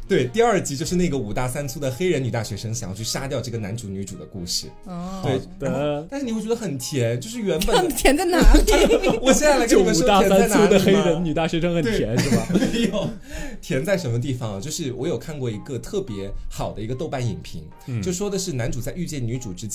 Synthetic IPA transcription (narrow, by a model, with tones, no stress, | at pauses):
t̪we˥˩ɪt̪i˥˧ɐ˞˥˩t͡ɕi˥t͡ɕjʂɻ̩˥˧n˥˩ɡə˩u˨˩t̪a˥˩sa˥nt͡sʰu˥d̪ə˨xe˥ɪɻə˧˥ny˨˩t̪a˥˩ɕɥɛ˧˥ʂɤ˥ŋɕɑ˨jt͡ɕʰy˥˩ʂa˥t̪jɑ˥˧ʊʈ͡ʂɤ˥˩ɡə˩na˧˥nʈ͡ʂu˧˥ny˧˥ʈ͡ʂu˨˩d̪ə˦ku˥˧ʂɻ̩˥˩ | t̪we˥˩ɪ˥t̪a˥˧ʂɻ̩˥˩ni˨˩xe˥˩t͡ɕɥɛ˧˥d̪ə˧xə˨˩nt̪ʰjɛ˧˥nt͡ɕjo˥˧ʊʂɻ̩˥˩ɥɛ˧˥npə˨˩˨t̪ʰjɛ˧˥nt͡sa˥˩na˧˥˧wɔ˨˩ɕjɛ˥˧na˥˩la˧˥ɪ˥˩˧t̪a˥˩jsa˥n˥˩nʰu˥d̪ə˨xe˥ɪ˥ɻə˧˥nny˨˩t̪a˥˩ɕɥɛ˧˥ʂɤ˥ŋxə˨˩t̪we˥˩jɛ˧˥˦n̩˥˩ɐ˨jo˨˩˦ʊ | t̪ʰjɛ˧˥nt͡sa˥˩ɪʂə˧˥nmə˧t̪̬i˥˩fɑ˨˩ŋɐ˨˩t͡ɕjo˥˧ʊʂɻ̩˥˩wɔ˧˥jo˨˩ʊkʰa˥˧nkwɔ˥˩i˧˥ɡə˧t̪ʰɤ˥˩pjɛ˧˥xɑ˨˩ʊd̪ə˦i˧˥ɡə˧t̪o˥˧ʊpa˥˩nḭ˨˩npʰḭ˧˥ŋ | t͡ɕjo˥˧ʊ˧ʂwɔ˥d̪ə˨ʂɻ̩˥˩na˧˥nʈ͡ʂu˨˩t͡sa˥˧ɪy˥˧t͡ɕjɛ˥˩nny˧˥ʈ͡ʂu˨˩ʈ͡ʂɻ̩˥t͡ɕ